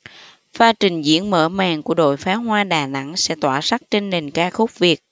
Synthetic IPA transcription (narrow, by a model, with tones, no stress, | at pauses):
faː˧t͡ɕï˨˩ŋ̟zḭ˧˥ənmə̰ː˧˩maː˨˩ŋku˧˩əɗo̰˧˨jfaː˨˦ɦwaː˧ɗaː˨˩na̰˧˥ŋsɛ̰˧˥t̪waː˧˩sa˦˥k̚t͡ɕe˧nːe˨˩nkaː˧xʊ˦˥k͡p̚vi˨˩ək̚